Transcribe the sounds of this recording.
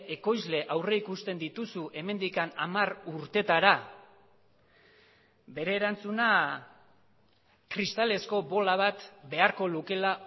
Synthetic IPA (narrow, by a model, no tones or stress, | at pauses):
e̞ko̞jzle̞ʔawre̞ikust̪e̞nd̪it̪usuʔe̞me̞nd̪ikanamaruɾt̪e̞t̪aɾa | be̞ɾe̞ːɾant͡suna | kɾist̪ale̞sko̞βo̞laβat̪be̞aɾko̞luke̞laʔ